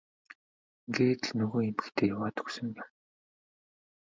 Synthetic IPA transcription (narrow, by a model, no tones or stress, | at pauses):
ŋɡeːt̪ɮnɵɣoːemɘ̆xt̪ʰeːjawaːt̪ɵ̥ksɵ̆ŋjam